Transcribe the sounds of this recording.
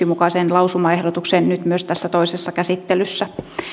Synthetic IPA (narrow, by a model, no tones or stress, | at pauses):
imukɑsenlɑusumɑehdot̪uksennyt̪myøst̪æsːæt̪oisesːɑkæsit̪ːelysːæ